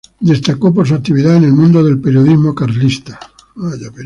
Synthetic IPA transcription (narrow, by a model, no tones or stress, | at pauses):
d̪est̪akop̬oɾs̬ak̚t̪iβiðaenelmũnd̪oðelpeɾjoðizmokaɾlist̪ḁ | aʝape